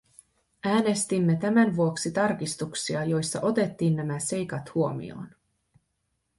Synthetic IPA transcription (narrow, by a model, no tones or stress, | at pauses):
æːne̞st̪imːe̞t̪æmænʋuo̞ksit̪ɑrk̟ist̪uksiɑjo̞jsːɑ̰ʔo̞t̪e̞t̪ːiːnːæmæse̞jkɑt̪huo̞mḭo̰ːn